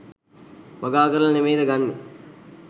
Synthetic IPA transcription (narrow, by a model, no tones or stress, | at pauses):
mɐɡaːɡəɾəlɐnemeːd̪əɡanːe